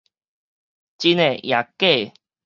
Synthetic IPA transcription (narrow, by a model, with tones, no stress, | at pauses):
t͡ɕi˦ne˨ja˨ke˥˨